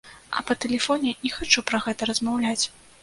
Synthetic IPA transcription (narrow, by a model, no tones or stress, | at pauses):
ʔɐ̰pɐt̪ɛlʲɛfɔnʲɛnʲɛxat͡ʂupɾɐɣɛt̪ɐɾɐzmawlʲat͡sʲ